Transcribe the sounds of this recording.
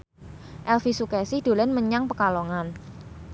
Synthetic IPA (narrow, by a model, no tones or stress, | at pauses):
ʔɛlfisukɛsɪhd̪̥o̤lɛnməɲaŋpəkaloŋan